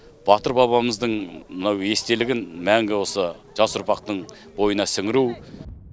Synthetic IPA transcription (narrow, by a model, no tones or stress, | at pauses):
b̥ɑt̪əɾbɑβɑməzd̪əɴmənɑwe̞st̪e̞lɪɡʲɪnmæŋɡʲɪwo̞sə | ʒɑsʊɾpɑq̚t̪əɴ | bo̞jənɑsɪŋɪɾuw